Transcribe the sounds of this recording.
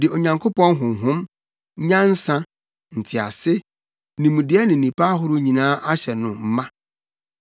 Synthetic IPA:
dɪ˨o˨ɲã˨ŋkʰo˦pɔ̃˦nɦʊ̃˨m˨ɦʊ̃˦m˦ | ɲã˦n̩˦sã˦ | n̩˨tʰɪ˨a̰˨sɪ˦ | nĩ˨mũ˨dɪ˦ɛ˦nɪ̃˨nĩ˨pʰa˦ɦʊ˦ɾʊ˦ɲĩ˨nãː˦ʔa˦ɕɛ˨nʊ̃˨m̩˦mã˦

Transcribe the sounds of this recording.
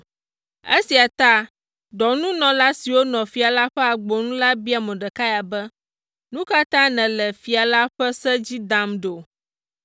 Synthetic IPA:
e˦si˨a˨t̪a˦ | ɖɔ˨nũ˦nɔ̃˨la˦si˨wo˦nɔ̃˨fi˨a˨la˦ɸɛ˦a˨ɡ͡bɔ˨nũ˦la˦bi˦a˨mɛ̃˨ɖɛ˨ka˦ja˨bɛ˦ | nũ˦ka˦t̪ã˦nɛ̃˨lɛ˨fi˨a˨la˦ɸɛ˦sɛ˦d͡ʑi˦d̪a˨mɖo˨

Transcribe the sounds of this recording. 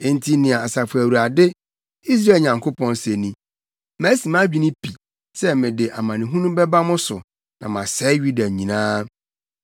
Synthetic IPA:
e˦n̩˦tʰi˦nɪ̃˨a˨a˨sa˨fʊ˨æ˨wu˨ɾa˨dɪ˦ | i˦s̬ɾa˦˨ɲã˨ŋkʰo˦pʰɔ̃˦nse˨nĩ˨ | mæ̃˦si˨mã˦d͡ʑᶣi˦nĩ˦pʰi˨ | sɛ˦mɪ̃˨dɪ˨ʔa˨mã˨nɪ̃˨ɦũ˦nũ˦bɛ˦ba˦mʊ̃˦sʊ˨ | nã˨mã˨sɛ˦ɥu˦da˨ɲĩ˨nãː˦

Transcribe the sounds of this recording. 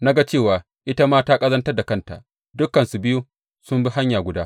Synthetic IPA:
na˦ɡa˦t͡ʃeː˦˨waː˨ | ʔɪ˦ta˦maː˦taː˦kʼɐ˦zɐ˦ntɐ˦rda˨kɐ˦nta̰˨ʔ | dʊ˦kːɐ˨nsu˨bɪ˦ju˦ | sʊ˦mbi˦ɦa˦ɲjaː˨ɡʷʊ˨daː˦

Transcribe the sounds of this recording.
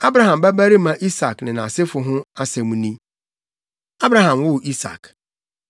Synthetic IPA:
a˦bɾa˨ɦã˨mbæ˦bæ˦ɾi˦mã˨ʔi˦sa˨knɪ̃˨nã˨sɪ˦fʊ˨ɦʊ̃˦a˦sɛ˨mũ˦nĩ˦ | a˦bɾã˨ɦã˨mwʊ˦˨ʔi˦sa̰˨k

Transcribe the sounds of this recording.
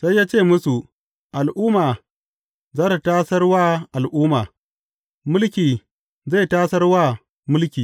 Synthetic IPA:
sa˦jːaː˦t͡ʃeː˦˨mʊ˦su˨ | ʔa˨lʔʊː˦maː˨ | zaː˦ta˨taː˦sɐ˦rwaː˦ʔa˨lʔʊː˦maː˨ | mʊ˦lkʲiː˨ | za˦˨jtaː˦sɐ˦rwaː˦˨ | mʊ˦lkʲiː˨

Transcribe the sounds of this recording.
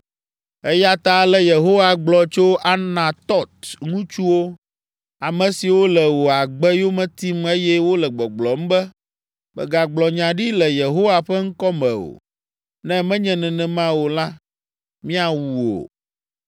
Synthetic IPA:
ɛ˦ja˦t̪a˦lɛ˦je˨ɦo˦wa˨ɡ͡blɔ˨t͡ʃo˦ʔa˨nã˨t̪ɔ˦t̪ŋũ˦t͡ʃu˦wo˦ | a˨mɛ̃˨si˨wo˦lɛ˨wo˨a˨ɡ͡bɛ˦jo˦mɛ̃˦t̪i˦me˦jɛ˦wo˦lɛ˨ɡ͡bɛ˨ɡ͡blɔ˨m̩˦bɛ˦ | bɛ̰˨ɡa˨ɡ͡blɔ˨ɲã˨ɖi˦lɛ˨je˨ɦo˦wa˨ɸɛ˦ŋ̩˦kɔ˦mɛ̰̃˨o̰˨ | nɛ̃˦mɛ̃˦ɲɛ̃˨nɛ̃˨nɛ̃˨mã˦wo˨la˦ | mĩ˦a˨wu˨o̰˨

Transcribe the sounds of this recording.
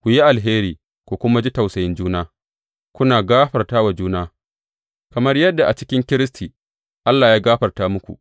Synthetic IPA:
kʷu˨ji˦ʔa˨lɦeː˦ɾiː˨ | kʷo˨kʷʊ˦ma˦d͡ʒi˦ta˨wsɐ˨jɪ˦nd͡ʒuː˦naː˦ | kʷʊ˦naː˨ɡaː˦ɸɐ˨rtaː˦wa˨d͡ʒuː˦naː˦ | kɐ˨mɐ˦rjɐ˦dːa˨ʔa˨t͡ʃɪ˦kʲɪ˦ŋkʲɪ˦ɾɪ˦stʰiː˨ | ʔa˦lːaː˨jaː˦ɡaː˦ɸɐ˨rtaː˦mʊ˦kʷṵ˨ʔ

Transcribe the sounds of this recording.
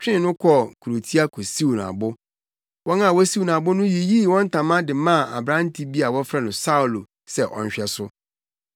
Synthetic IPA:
t͡ɕᶣɪ̃˦˨nʊ̃˦kʰɔ˦˨kʰu˨ɾo˨tʰi˦a˦kʰo˨si˦wu˨a̰˨bʊ˦ | wɔ̃˦nã˦˨wɔ˦si˦wu˨n˨a˨bʊ˦nʊ̃˦ji˨ji˦wɔ̃˦n̩˦tʰã˨mã˦dɪ˨mã˦˨a̰˨bɾã˦n̩˦tʰi˦bi˦a˨wɔ˦fɾa˦nʊ̃˨sa˦u˨lo˨ | sɛ˦˨ʔɔ̰˨ɲ̩˦ɕᶣɛ˦sʊ˦

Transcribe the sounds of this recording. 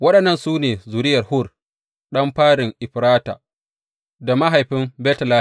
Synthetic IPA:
wɐ˦ɗɐ˨nːɐ˦˨nsuː˦neː˨zuː˨ɾɪ˦jɐ˨rhʊ˦˨r | ɗɐ˦mɸaː˦ɽɪ˨ŋʔɪ˨ɸɾaː˦ta̰ː˨ | da˨ma˦ɦa˨jɸɪ˦mbɛː˦tɐ˨laː˦

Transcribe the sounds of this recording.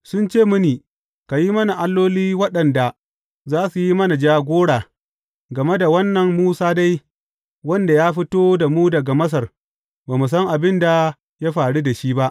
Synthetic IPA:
sʊ˦nt͡ʃeː˦˨mʊ˦niː˨ | ka˨ji˦mɐ˦na˨ʔa˦lːoː˦liː˦wɐ˦ɗɐ˨nda˨ | zaː˦su˨ji˦mɐ˦na˨d͡ʒaː˦ɡʷoː˦ɽaː˨ | ɡɐ˨me˦da˨wɐ˦nːɐ˨mmuː˦saː˦da˦j | wɐ˦nda˨jaː˦ɸɪ˦toː˦da˨muː˦dɐ˨ɡa˨mɐ˦s̬ɐ˨r | baː˨mu˨s̬ɐ˦ŋʔa˨bɪ˦nda˨ | ja˦ɸaː˨ɽu˦da˨ʃiː˦ba˦ʔ

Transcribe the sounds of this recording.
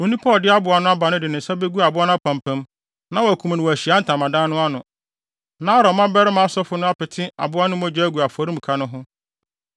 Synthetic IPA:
wo˨nĩ˦pʰɔ˦˨dɪ˦a˦bʊ˨a˨nʊ̃˦a˦ba˨nʊ̃˦dɪ˨nʊ̃˨n̩˨sa˦be˦ɡu˦a˨bʊ˦a˦nʊ̃˦pʰã˨mpʰã˦m | nã˦wæ˨kʰũ˨m˨nɪ̃˨ɔ˨æ˨ɕi˨a˨˦n̩˦tʰã˨mã˨dãː˦nʊ̃˦a˦nʊ̃˨ | nã˦ɾɔ˨˦mã˦bɛ˦ɾɪ˦mã˨a˦sɔ˦fʊ˨˦nʊ̃˦a˦pɪ˨tʰɪ̃˦a̰˨bʊ˦a˦nʊ̃˦mɔ̃˦d͡ʑᶣɛ˦æ˦ɡu˨a˨fɔ˨ɾĩ˦m̩˨kʰa˦nʊ̃˦ɦʊ̃˦

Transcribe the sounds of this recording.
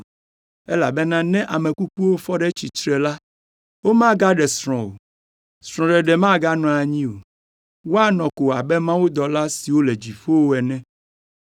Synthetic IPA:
ɛ˦la˨bɛ˦nã˦nɛ̃˦ʔa˨mɛ̃˨ku˦k͡pu˦wo˦fɔ˦ɖɛ˦t͡ɕi˨tɾɛ˨la˦ | wo˦mã˦ɡa˦ɖɛ˨sɾ̃ɔ̃˨wo̰˨ | sɾɔ̃˨ɖɛ˨ɖɛ˨mã˦ɡa˦nɔ̃˨a˨ɲĩ˦o˨ | wo˦a˦nɔ̃˨ko˨a˨bɛ˦mã˦wo˦d̪ɔ˨la˦si˨wo˦le˨d͡ʑi˨fo˦wo˦ɛ˨nɛ̃˦

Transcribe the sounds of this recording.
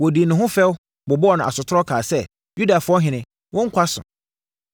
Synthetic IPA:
wɔ˨di˨nʊ̃˨ɦʊ̃˦fɛ˦w | bʊ˨bɔ˦ɔ˦˨nʊ̃˨a̰˨sʊ˨tʰʊ˦ɾɔ˦kʰaː˨sɛ˦ | ju˦da˨fʊ˨˦ɔ˦ɦɪ̃˨nɪ̃˨ | wʔʊ̃˦ŋ̩˦kʰʷa˦sʊ̰̃˨

